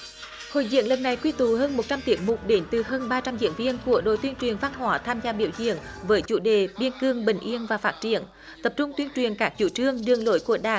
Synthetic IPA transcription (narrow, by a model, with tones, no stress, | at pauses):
ho̰˧˨jzḭ˧˨˥əŋlə˨˩p̚na˨˩jkwi˧t̪u˨˦həː˧nmo˨˩t̚t͡ɕa˧mt̪i˨˦ək̚mu˨˩k͡p̚ɗe˨˦nt̪ɨ˨˩ɦəː˧nɓaː˧t͡ɕa˧mzḭ˧˥ənvi˧ənku˧˩əɗo̰˧˨jt̪wənt͡ɕwi˨˩ənva˧nɦwaː˨˦t̪ʰaː˧mzaː˧ɓḭ˧˩əwzḭ˧˨əŋvəː˨˦jt͡ɕṵ˧˥ɗe˨˩ɓi˧ənkɨ˧əŋɓï˨˩ŋ̟ʔi˧ənvaː˨˩faː˦˥t̚t͡ɕḭ˧˨ən | t̪ə˨˩p̚t͡ɕʊ˧ŋ͡mt̪wi˧ənt͡ɕwi˨˩ənkaː˦˥k̚t͡ɕṵ˧˩t͡ɕɨ˧əŋɗɨ˧˩əŋlo˧˦jku˧˩əɗaː˧˨˩